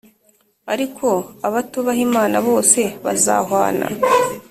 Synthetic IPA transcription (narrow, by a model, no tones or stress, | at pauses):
aɾikʰo̞aβatuβaɦimaːnaβo̞ːse̞βaza̰ːɦwa̰ːna̰